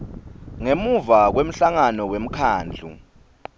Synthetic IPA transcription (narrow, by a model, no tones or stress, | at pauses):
ŋemuvak̬wem̩ɬaŋanɔwem̩kʰaːnd͡ɮʱṵ